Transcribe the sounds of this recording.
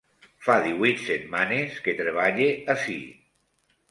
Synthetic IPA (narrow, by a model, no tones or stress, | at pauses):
faðiβwit̪set̪manesket̪ɾeβ̞aʎeasḭ